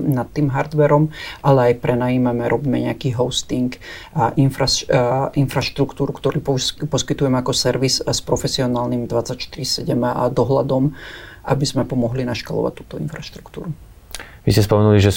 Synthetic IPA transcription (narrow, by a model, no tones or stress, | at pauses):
nat̪ːiːmɦaɾd̪ʋɛɾɔmʔalɛajpɾɛnajiːmamɛɾɔbiːmɛɲɛakiːɦɔʊst̪iŋkʔinfɾainfɾaʃt̪ɾukt̪uːɾukt̪ɔɾiːppɔskit̪ujɛmɛakɔsɛɾʋisspɾɔfɛsiɔnaːlnimd̪ʋat͡sacʃt̪iɾisɛɟɛmd̪ɔɦla̰d̪ɔm | ʔa̰bizmɛpɔmɔɦlinaʃkalɔ̰ʋa̰c̚t̪ːuːt̪ɔinfɾaʃt̪ɾu̥kt̪ṵːɾu | ʋḭscɛspɔmɛnuliʒɛ